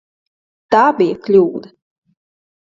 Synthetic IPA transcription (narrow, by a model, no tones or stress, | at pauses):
t̪aːbʲijɐklʲuːd̪ɐ